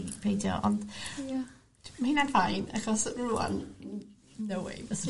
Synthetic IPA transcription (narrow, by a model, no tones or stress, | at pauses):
pʰejdjɔ̰ʔɔ̰nd̥ | mahiːnanvajnaχɔsrua̰n | nəwḛjvəs